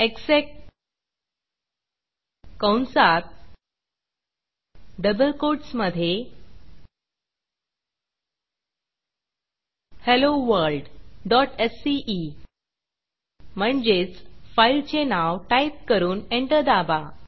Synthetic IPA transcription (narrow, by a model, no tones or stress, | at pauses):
eksek̚ʈ | kə̃wnsaɾ | ɖəbəlkoɾʈsməd̪ʱje | heloʋəɾlɖɖɔʈesiʔi | m̤əɳd͡ʑet͡sfajilt͡ɕenawʈajp̚kəɾuːneɳʈəɾd̪aba